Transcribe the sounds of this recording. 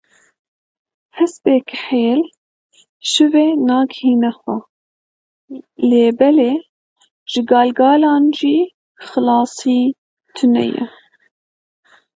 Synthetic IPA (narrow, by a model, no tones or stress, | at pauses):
hɛsbeːkħeːl | ʃɨveːnɑːɡhiːnɛxʷɛ | leːbɛleː | ʒ̥ɨɡɑːlɡɑːlɑːnʒiː | xɨlɑːsiː | t̪ʰɨnɛ̰jɛ̰